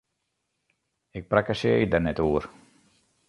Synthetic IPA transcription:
ɪk̚prakasḛidɛrnɛtuər

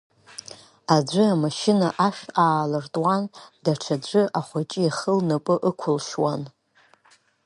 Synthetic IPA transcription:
ad͡ʒʷɨamaʃɪnaʔaʂaːlɨrtʼwandaʈ͡ʂʰad͡ʒʷɨʔaχʷat͡ʃʼɪjaχəlnapʼɨʔəkʷʰʊlʃwan

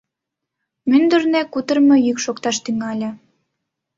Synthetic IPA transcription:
mynd̪ərnekut̪ə̆rmĕjykʃokt̪ɑʃt̪yŋɑlʲɤ̆

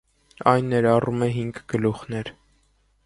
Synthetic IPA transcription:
ɑjnːɛɾɑrumɛɦiŋɡɡ̥əluχnɛɾ

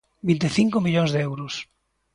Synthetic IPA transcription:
bint̪eθiŋkomiʎoŋzðeɛwɾʊs

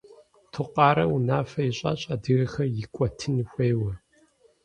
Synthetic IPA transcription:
tʰʊqɑːɾɐwunaːfɐjɪɕʼa̰ɕʼɐdɨɣɐxɐjɪkʷʼɔtʰɨnxʷeːwɐ

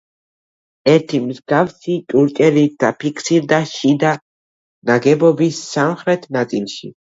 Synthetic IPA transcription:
ɛɾt̪ʰimzɡafsit̪ʼuɾt͡ʃʼɛɾid̪̥apʰikʰsiɾd̪aʃid̪a | naɡɛbɔbisːamχɾɛt̪ʰnat̪sʼilˠʃḭ

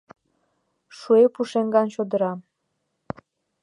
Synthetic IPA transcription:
ʃuepuʃeŋɡɑnɕod̪əɾɑm

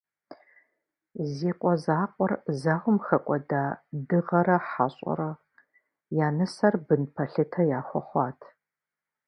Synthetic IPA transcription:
ziːqʷʼɔzaːqʷʼɔrzaʁʷʊmxɐkʷʼɔdaːdɨʁɐɾɐħaɕʼɔ̰ɾɐ | jaːnɐsɐrbɨnpʰɐɬɨtʰɐjaːxʷɔ̰χʷɑːtʰ

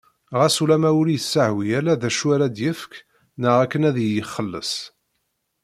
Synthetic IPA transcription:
ʁæsulæmæʊɾijəsːəʕwijælæðæʃwæɾæd̪jəfk | nəʁækːənæðjəχːəlːə̰s

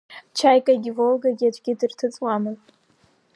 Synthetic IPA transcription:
t͡ʃʰajkʼaɡʲɪvolɡaɡʲad͡ʒʷʼɡʲɪdɨrtʰɨt͡sʼwamɨn

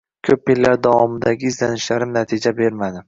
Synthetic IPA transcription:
kʰɵppelːaɾd̪ɒvɒmɪd̪aɡʲɪːzlanɪʃlaɾɪmnat̪ʰɪd͡ʒabe̞ɾmad̪ɪ

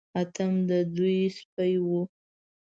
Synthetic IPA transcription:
at̪ʰamd̪əd̪ujspajwu

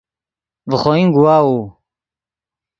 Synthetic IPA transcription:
vəχoːĩŋɡuwaːuː

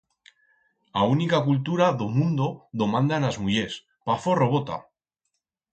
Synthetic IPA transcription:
aunikakult̪uɾaðomũnd̪oðo̞mãnd̪anazmuʎes | paforo̞β̞ot̪a̰

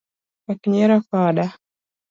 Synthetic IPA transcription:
akiɲɛɾakaɗa

